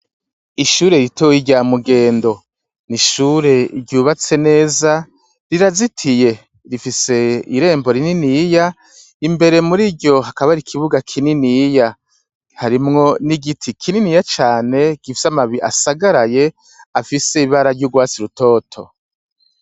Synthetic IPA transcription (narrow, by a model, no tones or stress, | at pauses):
iʃuːɾe̞ɾitowiɟaːmuɡe̞ːndo̞ | niʃuːɾe̞iɾɟuːβat͡se̞ne̞ːza | ɾiɾazitʰije̞ | ɾifise̞iɾe̞ːmbo̞ɾininija | imbe̞ɾe̞muɾiɟo̞ɦakaβaɾikʰiβuɡakʰininija | haɾimŋo̞niɡitʰikʰininijat͡ʃaːne̞ɡ̥ifi̥samaβiiʔa̰saɡaɾaje̞ | afiseiβaɾaɾɟuɡwaːt͡siɾuto̞ːtʰo̰